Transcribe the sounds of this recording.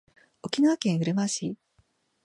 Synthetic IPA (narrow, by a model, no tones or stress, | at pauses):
o̞kʲinaβakẽ̞ɰ̃ɯ̟ɾɯ̟maɕiː